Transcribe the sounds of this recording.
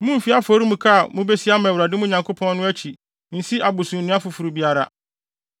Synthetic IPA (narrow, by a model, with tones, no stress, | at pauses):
mũ˦m̩˨fi˦a˦fo˦ɾi˦mũ˨kʰa˦˨mũ˦be˦si˦a˦mɛ̃˨wɾa˨dɪ˦mʊ̃˦ɲã˨ŋkʰo˦pʰɔ̃˦nnʊ̃˦æ˦t͡ɕʰi˨ | n̩˨si˦ʔa˨bʊ˨sũ˨nɪ̃˦a˦fʊ˨fu˨ɾu˨bi˦a˨ɾa̰˨